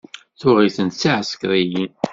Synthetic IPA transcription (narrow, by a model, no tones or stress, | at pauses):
θʊʁiθənt̪siʕəskɾˤijin